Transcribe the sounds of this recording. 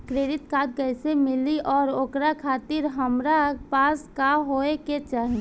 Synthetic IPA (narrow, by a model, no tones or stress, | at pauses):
kɾeːɾɪt̪kaːt̪̚kəɪsemɪliʔɔːɾoːkɾakʰaːt̪ɪɾɦəmɾapaːskaɦoeket͡ʃaːɦĩ